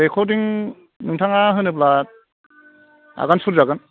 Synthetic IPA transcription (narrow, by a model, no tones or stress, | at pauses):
ɾekʰɔdiŋ | nɯŋtʰaŋaɦɯnɯp̬lat̚ | a̰ɡansuɾzaɡɯn